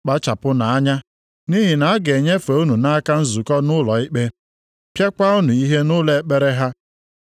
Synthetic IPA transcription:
k͡pa˦t͡ʃa˨pʊ˦na˨a˦ɲa˦ | ni˦ɦi˨na˨a˦ɡe˨ɲe˦fa˨u˦nu˨na˦ka˦n̩˦zu˨kɔ˦nʊ˦lɔ˨i˦k͡pe˦ | pja˦kʷa˦u˦nu˨i˦ɦe˦nʊ˦le˨˦k͡pe˦ɾe˦ɦa˦

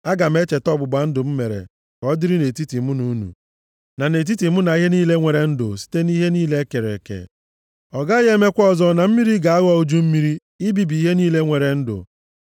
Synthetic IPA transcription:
a˦ɡa˨m̩˦e˦t͡ʃe˨tɔ˦bʊ˨ɡ͡ba˨n̩˦dʊ˨m̩˦me˨ɾḛ˨ | kɔ˦dɪ˦ɾi˦ne˨ti˦ti˨mʊ˦nu˨˦nṵ˨ | na˨ne˨t̬i˦ti˨mʊ˦na˨i˦ɦe˦niː˦le˦ŋʷe˨ɾe˨n̩˦dʊ̰˨si̥˦te˦ni˦ɦe˦niː˦le˦ke˨ɾḛ˨kḛ˨ | ɔ˨ɡa˦ɣe˦me˦kʷɔ˦zɔ˦na˨m̩˦mi˦ɾi˦ɡa˨a˦ɣɔ˦o˦d͡ʒu˦m̩˦mi˦ɾi˦ | ɪ˦bi˨bi˦ɦe˦niː˦le˦ŋʷe˨ɾe˨n̩˦dʊ̰˨

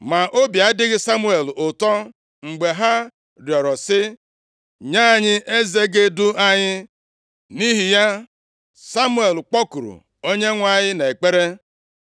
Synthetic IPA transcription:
ma˨ʔo˦bja˨˦dɪ˦ɣɪ˦sa˦mu˦e˨lʊ˨tɔ˦ | ŋ͡m̩˨ɡ͡be˨ɦa˦ | ɾjɔ˨ɾɔ˨sɪ˦ | ɲa˦˨ɲɪ˦ʔe˦ze˦ɡe˦dʊ˦a˦ɲɪ˦ | ni˦ɦi˨ja˦ | sa˦mu˦e˨lk͡pɔ˦ku˨ɾṵ˨ | o˦ɲe˦ŋʷa˦˨ɲɪ˦ne˨k͡pe˦ɾe˦

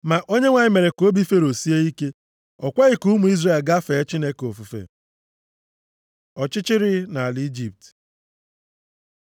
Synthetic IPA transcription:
ma˨ʔo˦ɲe˦ŋʷa˨ɲɪ˨me˨ɾe˨ko˦bi˦fe˦ɾo˨si˦e˦i˦ke˦ | ɔ˨kʷa˦ɣi˨ku˦mu˨i˦zre˨lɡa˦fe˨˦t͡ʃi˦ne˦ko˨fu˨fḛ˨ | ɔ˨t͡ʃɪ˦t͡ʃɪ˦ɾɪ˦na˨a˨li˦d͡ʒi˨p̚t

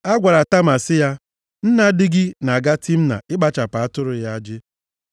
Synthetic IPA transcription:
a˦ɡʷa˨ɾa˨ta˦ma˨sɪ˦ja˦ | n̩˦na˦dɪ˦ɡɪ˦na˨a˨ɡa˦tʰi˦m̩˦na̰˨ɪ˦ɡ͡ba˦t͡ʃa˨pa˨a˦tʊ˦ɾʊ˨ja˦a˦d͡ʒɪ˦

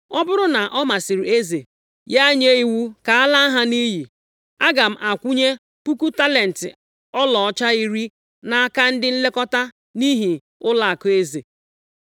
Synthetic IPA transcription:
ɔ˦bʊ˦ɾʊ˦na˨ʔɔ˦ma˨si˨ɾi˨e˦ze˨ | ja˦ɲe˦i˦wu˦ka˨a˦la˦a˦ɦa˦ni˦ɦi˨ | a˦ɡa˨m̩˦ʔa˨kʷu˦ɲe˦ | pu˦ku˦ta˦le˨n̩˨tɪ̰˨ | ɔ˦lɔ˨ɔ˦t͡ʃa˦i˦ɾi˦ | na˨a˦ka˦n̩˦dɪ˦n̩˦le˦kɔ˦ta˦ | ni˦ɦi˨ | ʊ˦la˨a˨kʊ˨˦e˦zḛ˨

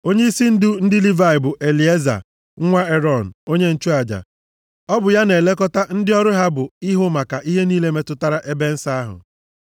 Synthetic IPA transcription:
o˦ɲe˦i˦si˦n̩˦dʊ˦n̩˦dɪ˦li˦va˨ɪ˨bʊ˨ʔe˨li˨e˦za̰˨˦ | ŋʷa˦e˦ɾɔ˨n̩˨o˦ɲe˦n̩˦t͡ʃu˦a˨d͡ʒa̰˨ | ɔ˦bʊ˨ja˦ne˨le˦kɔ˦ta˦n̩˦dɪ˦ɔ˦ɾʊ˦ɦa˦bʊ˨i˦ɦʊ˦ma˨ka˨ʔi˦ɦe˦niː˦le˦me˦tʊ˦ta˦ɾa˦ʔe˦be˦n̩˦sa˦a˦ɦʊ̰˨

